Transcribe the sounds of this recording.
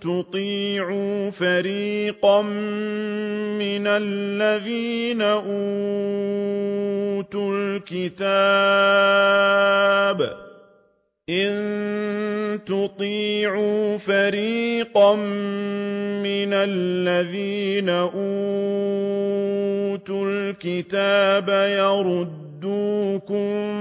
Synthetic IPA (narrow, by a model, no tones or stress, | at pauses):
t̪ʊt̪ˤiːʕuːfaɾiːqɑm | mɪnalːaðiːnaʔu | t̪ʊlkɪt̪aː | b | ʔɪn | t̪ʊt̪ˤiːʕuːfaɾiːqɑm | mɪnalːaðiːnaʔuː | t̪ʊlkɪt̪aːbajɑɾˤʊd̪ːuːkʊm